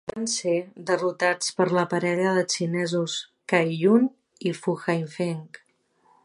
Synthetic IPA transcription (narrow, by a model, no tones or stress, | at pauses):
bansed̪ərut̪at͡spəɾləpəɾɛʎəðət͡ʃinɛzus | kajʎun | ifuxajɱfeŋk